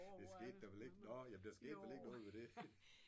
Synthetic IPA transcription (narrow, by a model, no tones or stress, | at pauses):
d̥esɡ̥e̝̰ːd̥̚æʋeleɡ̥nɔjæb̥liɐsɡ̥e̝̰ːd̥ʋe̝leɡ̥nɔ̽ːð̞̩ˠʋed̥e̝